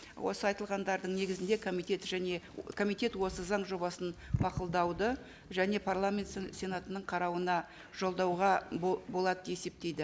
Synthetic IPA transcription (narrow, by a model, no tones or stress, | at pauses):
wʔo̞̰səɑjt̪əlˠʁɑnd̪ɑɾd̪əɴne̞ɡʲɪzɪnd̪e̞kʰomit̪et̪ʒæne̞kʰo̞mijt̪e̞t̪wo̞səzɑɴʒo̞bɑsənmɑqʊlˠd̪ɑwd̪ə | ʒæne̞pʰaɾrlˠamʲe̞nt̪sʲe̞nat̪ənəɴqʰɑɾɑwənɑ | ʒ̥o̞lˠd̪ɑwʁɑbo̞lˠɑd̪əje̞se̞p̚t̪e̞jd̪ɪ